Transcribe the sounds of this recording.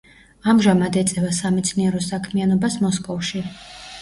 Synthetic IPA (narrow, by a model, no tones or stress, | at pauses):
amʒamad̪ɛt̪sʼɛvasamɛt̪sʰniɛɾɔsakʰmianɔbasmɔskʼɔfʃi